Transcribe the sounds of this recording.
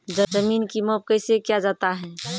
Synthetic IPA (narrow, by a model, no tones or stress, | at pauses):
d͡ʒəd͡ʒəmiːnkimɔːb̚kəɪsekjad͡ʒaːt̪aɦɛ̃ː